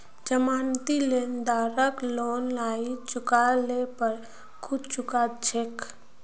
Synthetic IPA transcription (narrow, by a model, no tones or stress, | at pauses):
d͡ʒəmaːnt̪ilend̪aːɾəkloːnlaːit͡ʃʊkalepəɾ | kʰʊt͡ʃʊkat̪d͡ʒek